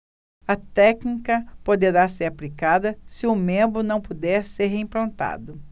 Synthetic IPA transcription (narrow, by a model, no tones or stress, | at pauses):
ɐt̪ɛknikɐpod̪eɾaseɾaplikad̪ɐsɪʊmẽmbɾʊnɐ̃w̃pud̪ɛɾseɾɦeĩpɾɐ̃nt̪a̰d̪ʊ